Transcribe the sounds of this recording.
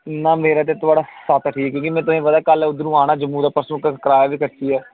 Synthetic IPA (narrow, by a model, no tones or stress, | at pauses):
naːmeːɾaːt̪̬eːt̪ʊaːɖaːsat̪ʰʈʰiːɛkjõːkimɛ̃ːt̪ʊsĩːʋəd̪aːkəlːʊd̪nũːaːñaːd͡ʒəmːuːd̪aːpəɾsõkəkɾaːjaʋiːkəɾt̪iːɛː